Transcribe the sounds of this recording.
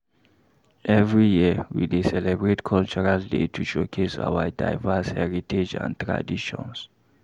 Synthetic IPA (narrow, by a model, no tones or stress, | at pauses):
ʔɛvɹijiwḭdesɛlɛbɹetkʰɔlt͡ʃɔɹaldḛtʰuʃokʰesa̰wada̰ɪvɛshɛɹitʰed͡ʒã̰ntɹa̰diʃɔ̰̃ns